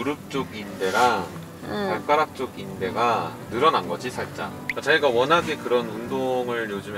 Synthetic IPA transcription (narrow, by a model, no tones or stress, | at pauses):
uɾɯp̚t͡ɕ͈oɡinde̞ɾaŋ | paɭk͈aɾak̚t͡ɕ͈oɡinde̞ɡanɯɾʌnanɡʌd͡ʑisʰaɭt͡ɕ͈a̰kat͡ɕʌiɡawʌnɦaɡe̞kɯɾʌnundoŋɯɭjod͡ʑumj